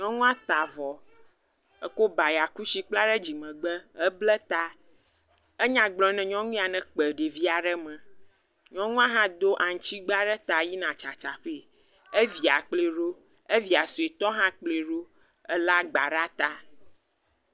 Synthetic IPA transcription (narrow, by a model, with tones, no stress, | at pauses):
ɲɔ̃˦ŋũ˦a˦t̪a˨vɔ˨ | ɛ˦ko˦ba˨ja˨ku˦si˦k͡pla˦ɖɛ˦d͡ʑi˨mɛ̃˨ɡ͡bə˦ə˦blɛ˦t̪a˦ | e˦ɲã˨ɡ͡blɔ̃˦nɛ̃˨ɲɔ̃˦ŋũ˦a˨nɛ̃˨k͡pə˨ɖe˨vi˦a˨ɖɛ˦mɛ̃˨ | ɲɔ̃˦ŋũ˦a˦ɦã˦d̪o˦ʔa˨ŋ̩̃˨t͡ɕi˦ɡ͡ba˦ɖɛ˦t̪a˨ji˦nã˨t͡ʃa˨t͡ʃa˨ɸe˦˨ | e˦vi˨a˨k͡ple˨ɖo˦ | e˦vi˨a˨su˨e˨t̪ɔ˦ɦã˦k͡ple˨ɖo˦ | ɛ˦la˦ɡ͡ba˨ɖa˦t̪a˦